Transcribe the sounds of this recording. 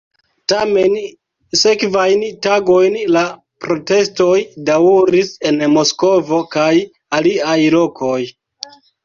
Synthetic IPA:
tame̞n | se̞kvajntaɡo̞jnla | pɾo̞te̞sto̞jdauɾise̞nmo̞sko̞vo̞kaj | aliajlo̞kʰo̞j

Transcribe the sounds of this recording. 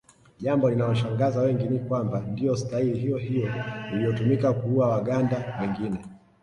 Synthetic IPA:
ʄambɔlinaɔʃaŋɡazawɛŋɡinikwambandiɔstailiɦijɔɦijɔiliɔtumikakuuawaɠandawɛŋɡinɛ

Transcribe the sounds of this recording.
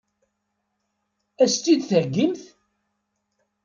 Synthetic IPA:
æst̪id̪θəɾɡimθ

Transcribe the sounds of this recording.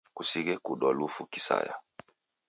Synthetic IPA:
kusiɣɛkuɗɔlufuki̥sa̰ja̰

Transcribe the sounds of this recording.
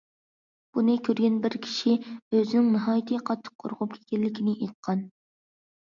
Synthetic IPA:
b̥unɨkʲʰøɾɡʲɛnbɪɾkʲʰi̥ʃiøzɪnɪŋnɨɦɑːjit̪ʰɨqʰɑt̪ʰːə̥qʰːo̰ɾʁʊp̚kʲʰe̥kʲʰɛlːɪkʲinɪʔejt̪̚qʰɑn

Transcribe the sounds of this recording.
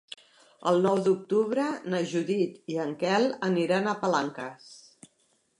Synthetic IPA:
ə̰lˠnɔwd̪uk̚t̪uβɾənəʒuðit̪iəŋkɛlˠəniɾanəpəlaŋkəs

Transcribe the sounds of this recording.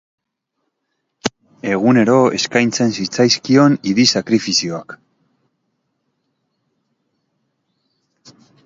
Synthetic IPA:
e̞ɣ̞une̞ɾo̞e̞skajnt͡se̞nsit͡sajskio̞niðisakɾifisio̞ak

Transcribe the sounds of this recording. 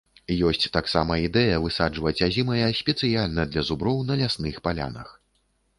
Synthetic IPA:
jɔsʲt͡sʲt̪aksamɐid̪ɛjɐvɨsad͡ʐvɐt͡sʲazʲimɐjɐsʲpʲɛt̪sɨjalʲnɐd̪lʲɐzubɾɔwnɐlʲasnɨxpalʲa̰nɐ̰x

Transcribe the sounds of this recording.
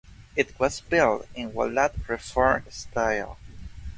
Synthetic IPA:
ɨt̚wʌzbɪlˠtɪ̃nwɔ̰lat̚ʰɹɨfɔɹm̃staɪlˠ

